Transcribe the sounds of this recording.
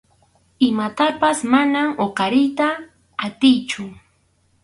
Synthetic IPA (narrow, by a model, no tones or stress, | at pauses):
ɪmat̪apasmanaoqɑɾɪjt̪aː | t̪ɪjt͡ʃʊ